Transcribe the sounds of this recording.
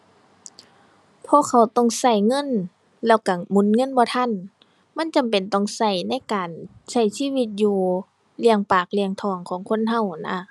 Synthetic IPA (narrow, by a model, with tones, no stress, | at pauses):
pʰɔː˧˥˨kʰa˧˩wt̪ɔ˧˩˨ŋsa˧˩jŋɤ˧˥˨n | lɛː˧˩wka˨˩mu˧˥nŋɤ˧˥˨nbɔː˧t̪ʰa˧˥˨n | ma˧˥˨nt͡ɕa˨mpe˨˩nt̪ɔ˧˩ŋsa˧˩jna˧˥˨jkaː˨˩nsa˧˩jsiː˧˥˨wi˧t̪̚juː˧ | li˧əŋpaː˨˩k̚li˧əŋt̪ʰɔː˧˩ŋkʰɔː˨˦ŋkʰo˧˥˨nɦa˧˨wna˧˩